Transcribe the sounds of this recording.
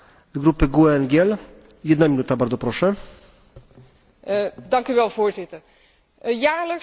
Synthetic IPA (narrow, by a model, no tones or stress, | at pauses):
zɡɾupɘɡuɛnɡʲɛl | jɛd̪namʲinut̪abaɾd̪zɔpɾɔʂɛ | dɑŋkyʋɛlˠvoːɹzɪt̪ər | jaːɹlək